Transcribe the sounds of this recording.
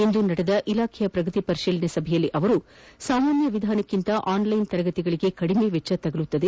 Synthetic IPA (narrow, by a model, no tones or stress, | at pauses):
e̞nd̪unɐɽed̪ɐʔilaːkʰɛjɐpɾɐɡɐt̪ipɐɾiʃiːlɐnesɐbʱɛjɐlːiʔɐʋɐɾusaːmaːnjɐʋid̪ʱaːnɐkːint̪ɐʔaːnlɐjnt̪ɐɾɐɡɐt̪iɡɐɭiɡe̞kɐɽimeʋet͡ʃːɐt̪ɐɡɐɭut̪ːɐd̪e̞